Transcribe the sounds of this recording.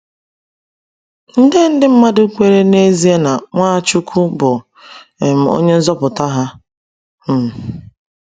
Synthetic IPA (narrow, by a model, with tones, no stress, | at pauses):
n̩˦de˦n̩˦dɪ˦m̩˦ma˦dʊ˦kʷe˦ɾe˦ne˦zi˦e˦na˨ŋʷa˦˨t͡ʃu˦kʰu˦bʊ˨ | e˨m̩˨o̰˦ɲe˦n̩˦zɔ˦pʊ˨ta˦ɦa˦ | m̩˨